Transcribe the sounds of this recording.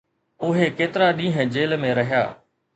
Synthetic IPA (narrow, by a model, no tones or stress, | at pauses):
ʊɦekeːt̪ɪɾaɗĩːɦə̃d͡ʑeːlmẽɾɐɦɪja̰ː